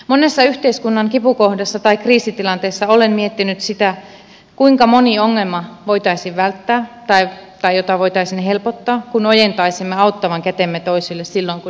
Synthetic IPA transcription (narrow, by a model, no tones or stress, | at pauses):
monesːɑyht̪eiskunːɑŋkipukohdɑsːɑt̪ɑikriːsit̪ilɑnt̪eːsːɑolemmiet̪ːinyt̪sit̪æ | kuiŋkɑmonioŋːelmɑʋoit̪ɑisiʋʋælt̪ːæːt̪ɑit̪ɑijot̪ɑʋoit̪ɑisinhelpot̪ːɑːkunojent̪ɑisimːeɑut̪ːɑʋɑŋkæt̪emːet̪oisilːessilːoiŋku